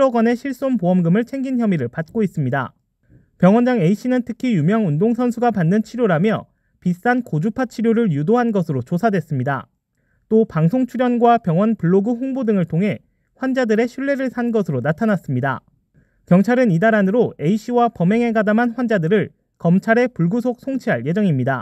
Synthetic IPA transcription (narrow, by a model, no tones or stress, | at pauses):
ɾoɡwane̞ɕʰiɭs͈onpoʌmɡɯmɯɭt͡ɕʰeŋɡinçjʌmiɾɯɭpat̚k͈ois͈ɯmɲida̰ | pjʌŋwʌnd͡ʑaŋe̞iɕ͈ʰinɯntʰɯkʰijumjʌŋundoŋsʰʌnsʰuɡapanːɯnt͡ɕʰiɾjoɾamjʌ | pis͈ankod͡ʑupʰat͡ɕʰiɾjoɾɯɭjudoɦanɡʌsʰɯɾot͡ɕosʰadwe̞s͈ɯmɲida̰ | t͈opaŋsʰoŋt͡ɕʰuɾjʌnɡwapjʌŋwʌnpuɭːoɡɯɦoŋbudɯŋɯɭtʰoŋɦe̞ | ɸwand͡ʑadɯɾe̞ɕʰiɭːe̞ɾɯɭsʰanɡʌsʰɯɾonatʰanas͈ɯmɲida̰ | kjʌŋt͡ɕʰaɾɯnidaɾanɯɾoe̞iɕ͈ʰiwapʌme̞ŋɦe̞ɡadamanɸwand͡ʑadɯɾɯɭ | kʌmt͡ɕʰaɾe̞puɭɡusʰok̚sʰoŋt͡ɕʰiɦaɭje̞d͡ʑʌŋimɲida̰